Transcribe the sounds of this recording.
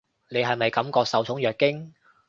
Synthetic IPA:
ne˨˧jɦɐ˨jmɐ˨jkɐ˨˥mkɔː˧k̚sɐ˨wt͡sʰʊ˨˥ŋjœː˨kːɪ˥ŋ

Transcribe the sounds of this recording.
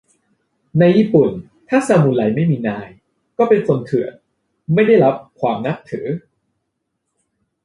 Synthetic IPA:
na˧jːiː˧˩pu˨˩n | t̪ʰaː˥˩saː˧muː˧˩la˨˩˦jma˥˩jmiː˧naː˧j | kɔː˥˩pe˧nso˧nt̪ʰɯ˨˩ət̪̚ | ma˥˩jda˥˩jɾa˦˥p̚kʰwaː˧mna˦˥p̚t̪ʰɤː˩˦

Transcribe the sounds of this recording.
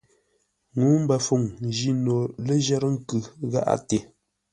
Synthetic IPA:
ŋuː˨˦m̩˦bə˨fu˨ŋn˨d͡ʒi˦no˨le˦ʒɛ˦ɾə˦ŋ̩˦kɯ˨ɣa̰˦ʔa̰˦te˨

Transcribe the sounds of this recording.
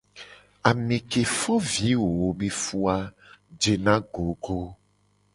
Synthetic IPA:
a˨mẽ˨ke˨fɔ˦vi˨˦wo˨wo˦be˦fu˦a˦ | d͡ʒe˨nã˦ɡo˨˦ɡo˦

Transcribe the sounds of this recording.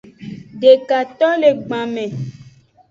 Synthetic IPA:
ɖe˨ka˨t̪ɔ˦le˨ɡ͡bã˨mɛ̃˨

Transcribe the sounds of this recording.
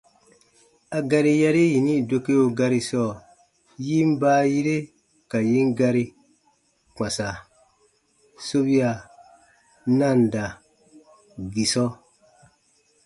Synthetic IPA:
a˨ɡa˧ɾi˧ja˧ɾi˦ji˨ni˦˨do˧ke˦o˧ɡa˧ɾi˧sɔː˦˨ | ji˦m˦baː˦˨ji˦ɾe˦ | ka˨ji˦ŋɡa˧ɾi˧ | k͡pã˨sa˨ | so˦bi˦a˨ | na˦˨nda˨ | ɡi˨sɔ˦

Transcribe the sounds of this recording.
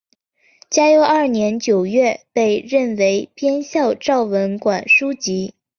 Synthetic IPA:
t͡ɕja˥jo˧˥ʊɐ˞˥˩njɛ˧˥nt͡ɕjo˨˩ʊɥɛ˥˧pe˥˧ɪɻə˥˩nwe˧˥ɪpjɛ˥nɕjɑ˥˧ʊʈ͡ʂɑ˥˩ʊwə˧˥nkwa˨˩nʂu˥t͡ɕi˧˥

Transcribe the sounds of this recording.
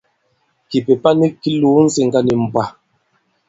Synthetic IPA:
ki˨pe˨pa˦ni˦ki˦luː˦n̩˦si˨ŋka˦ni˨m̩˨pa˨

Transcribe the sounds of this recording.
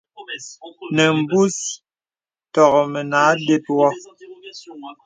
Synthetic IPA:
nɛ˨m̩˨bu˦s | tɔ˨ɣɔ˨mɛ˨naː˨˦de˦t̚wɔ˦

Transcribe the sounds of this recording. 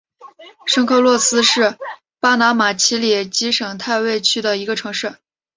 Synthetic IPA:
ʂɤ˥ŋkʰɤ˥˧lwɔ˥˩sɹ̩˥ʂɻ̩˥˩ | pa˥na˧˥ma˨˩t͡ɕʰi˧˥lɛ˨˩t͡ɕi˧˥ʂɤ˨˩ŋt̪ʰa˥˧ɪwe˥˧ɪt͡ɕʰy˥d̪ə˨i˧˥ɡə˧ʈ͡ʂʰɤ˧˥ŋʂɻ̩˥˩

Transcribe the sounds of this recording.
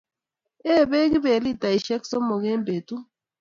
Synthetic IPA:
ɛ˦˨βe˦ɣi˦βe˨li˦ta˨i˨ʃɛ˦ksɔ˦mo˨ɣɛ˦mbe˨tu˦

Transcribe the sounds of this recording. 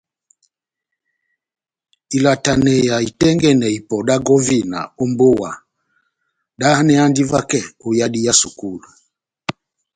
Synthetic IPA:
i˨la˨ta˨nɛ˨ja˨i˨tɛ˦ŋɡɛ˦˨nɛ˨i˨pɔ˨ɗa˦ɡɔ˦vi˦˨na̰˨ɔ˦mbo˦wa˨ | ɗa˦hnɛ˦a˦ndi˦va˦kɛ˦˨u˨ja˦di˦ja˦su˨ku˦˨lu˨

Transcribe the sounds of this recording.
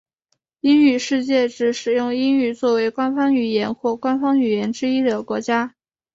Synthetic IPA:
i˥ny˨˩ʂɻ̩˥˧t͡ɕjɛ˥˩ʈ͡ʂɻ̩˧˥ʂɻ̩˨˩jʊ˥˩ŋi˥ny˨˩t͡swɔ˥˩we˧˥ɪkwa˥nfɑ˥ŋy˨˩jɛ˧˥nxwɔ˥˩kwa˥nfɑ˥ŋy˨˩jɛ˧˥nʈ͡ʂɻ̩˥i˥d̪ə˨˩kwɔ˧˥t͡ɕja˥

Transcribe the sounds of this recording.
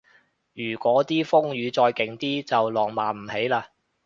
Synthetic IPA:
jyː˨˩kʷɔː˨˥t̪iː˥fʊ˥ŋjyː˨˧t͡sɔː˧jkɪ˨˩ŋt̪iː˥t͡sɐ˨wlɔː˨˩ŋmaː˨˩m̩˨˩he˨˥jlaː˧

